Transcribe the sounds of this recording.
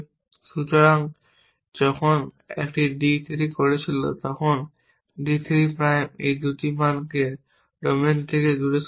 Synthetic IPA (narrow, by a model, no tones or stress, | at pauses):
sut̪ɔɹaŋ | zɔkʰɔn | ɛ̰kʈidit̪ʰiɾikoɹisʰilo̰t̪ɔkʰɔn | dit̪ʰiɾipɹajmḛjd̪utimanke | ɹoment̪ʰekeɡuɾes